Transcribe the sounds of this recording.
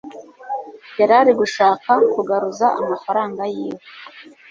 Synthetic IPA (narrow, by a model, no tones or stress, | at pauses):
jaɾaɾiɡuʃaːkakuɡaɾuzaa̰mafaɾaːŋɡajiːwoe